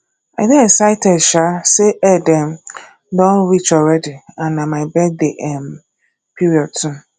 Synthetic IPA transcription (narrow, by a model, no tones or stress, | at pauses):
aɪdɪɛsaɪtʰɛdʃasɛɛdɛ̃m | dɔ̃nɾit͡ʃɔlɹɛdiãnːãmãɪbɛk̚deʔɛm | pʰiɾiɔd̚tʰʊ̃